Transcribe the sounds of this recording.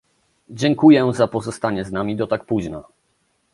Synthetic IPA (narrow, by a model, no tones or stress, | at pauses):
d͡ʑɛŋkujɛzapɔzɔst̪aɲɛznamʲid̪ɔt̪ak̚puʑna